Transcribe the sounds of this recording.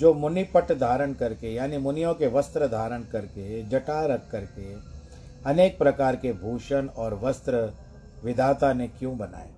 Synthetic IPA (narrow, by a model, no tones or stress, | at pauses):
d͡ʒoːmʊnipəʈd̪ʱaːɾənkɐɾkejaːnimʊnɪjõkeʋɐst̪ɾəd̪ʱaːɾəɳkɐɾked͡ʒɐʈaːɾɐkʰːɐɾke | ɐneːk̚pɾɐkaːɾkebʱuːʃənɔːɾʋɐst̪ɾə | ʋɪd̪ʱaːt̪anekjõbɐna̰ːeː